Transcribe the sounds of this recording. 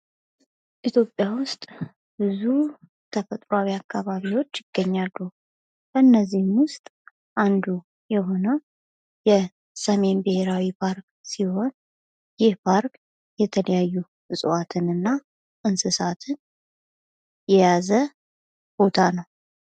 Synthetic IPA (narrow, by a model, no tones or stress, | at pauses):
ʔit̪ʰjo̞pʼːjawʊst̪ʼ | bɨzu | t̪ʰəfət̪ʼɾoawiakːaβaβiwo̞t͡ʃːjɪɡ̥ːəɲːalːu | bəɨnːəzːihɨmwʊst̪ʼ | ʔand̪u | jɛɦo̞nə | jɛ | səme̞nbɨhe̞ɾawipʰaɾk | siho̞n | jɪhpʰaɾk | jɛt̪ʰələjajːu | ɨsʼɨwat̪ʰɨnɨnːa | ʔɨnsɨsat̪ʰɨn | jɛjazə | b̥o̞t̪ʰanəw